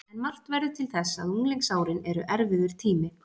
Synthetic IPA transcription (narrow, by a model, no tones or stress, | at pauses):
ɛnmal̥t̪vɛɾðʏt̪ʰɪlθɛsːaaðuŋleŋksaːwɾɪnɛɾʏʔɛɾvɪðʏɾ̥t̪ʰiːmɪ